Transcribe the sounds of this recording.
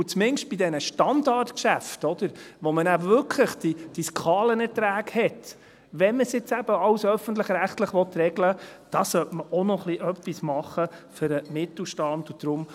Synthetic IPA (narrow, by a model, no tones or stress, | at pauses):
ut͡smɪnʃt̚b̥idɛnəʃtɑndɑɾtkʃæftɔd̥̪əɾʋɔmənæbəʋʏɾkʰləχd̥id̥iskʰɑːlənɛɾtɾæːɡhɛt | ʋɛnməsjɪt͡sæb̥əɑwsœfənt̪̬ləχɾæχt̪ləχʋɔt̪ɾɛɡləd̥ɑsœtməʔɔnɔχliʔœpːismɑχːəføɾəmɪt̪l̩ˠʃtɑnd̪ud̥ɾʊm